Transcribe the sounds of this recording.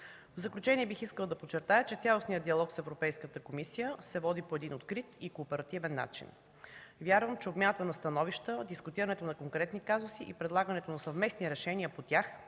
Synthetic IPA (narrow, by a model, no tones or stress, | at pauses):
vzɐklʲut͡ʃɛniɛbixiskəlˠd̪ɐpott͡ʃːɛɾt̪ajət͡ʃɛt̪sʲalˠosnijəd̪d̪iɐlˠɔksɛvɾopɛjskət̪əkomisijəsɛvɔd̪ipoɛd̪inot̪kɾit̪ikoːpɛɾɐt̪ivɛnːa̰t͡ʃḭn | vʲjaɾvəmt͡ʃɛobmʲanət̪ənɐst̪ɐnɔviʃt̪əd̪iskʊt̪iɾəɐnɛt̪onɐkoŋkɾɛt̪nikazʊsiʔipɾɛd̪lˠaɡənɛt̪onɐsɐvmɛsniɾɛʃɛniəpot̪ʲjax